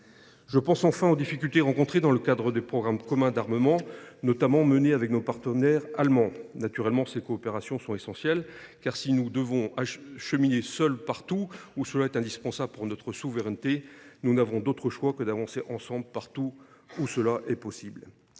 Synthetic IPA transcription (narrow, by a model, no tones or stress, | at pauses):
ʒ̥əpɑ̃sɑ̃fɛ̃od̪ifikʲylt̪eʁɑ̃kɔ̃t̪χed̪ɑ̃ləkad̪ʁəd̪epχɔɡʁamkɔmɛ̃d̪aʁməmɑ̃nɔt̪amɑ̃məneavɛknopaʁt̪ənɛʁalmɑ̃nat̪yʁɛlmɑ̃sekɔːpeʁasjɔ̃sɔ̃t̪esɑ̃sjɛlkaʁsinud̪əvɔ̃aʃəminesœlpaʁt̪uusəlaɛt̪ɛ̃d̪ispɑ̃sabləpuʁnɔt̪χəsuvəʁɛnt̪enunavɔ̃d̪ot̪χəʃwakəd̪avɑ̃seʔɑ̃sɑ̃bləpaʁt̪uːsəlaʔɛpɔsibl